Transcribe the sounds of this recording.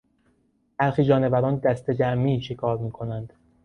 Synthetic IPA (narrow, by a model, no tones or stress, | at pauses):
b̥æɾxiːd͡ʒɒːnevæɾɒːnd̪æst̪e̞d͡ʒæmːiːʃekʰɒːɾmiːkʰo̞nænd̪̥